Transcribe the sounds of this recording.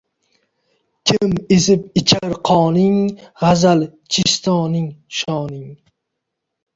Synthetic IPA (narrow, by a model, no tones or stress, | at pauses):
kʲʰɪmesɪp̚ɪt͡ʃʰaɾqʰɒːnɪŋʁazalt͡ʃʰɪʃt̪ʰɒnɪŋʃɒːnɪŋ